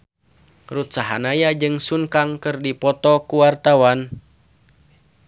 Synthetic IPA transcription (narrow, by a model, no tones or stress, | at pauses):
rut̪saɦa̰najad͡ʒɨŋsuŋkaŋkɨrdipɔt̪ɔkuwart̪awan